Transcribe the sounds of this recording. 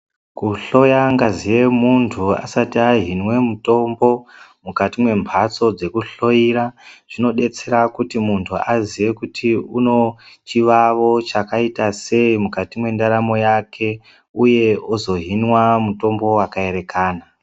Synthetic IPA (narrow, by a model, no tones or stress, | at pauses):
kuɬo̞jaŋɡazije̞muntʰua̰satiaɦinwe̞muto̞mbo̞mukatimwe̞mbʱat͡so̞d͡ze̞kuɬo̞jiɾaʐ̥ino̞ɗe̞t͡se̞ɾakutimuntʰuazije̞kutʰiuno̞t͡ʃiʋaʋo̞t͡ʃakaitase̞imukatimwe̞ndaɾamo̞jakʰe̞ | uje̞ozo̞ɦinwamuto̞mbo̞wakae̞ɾe̞kʰaːna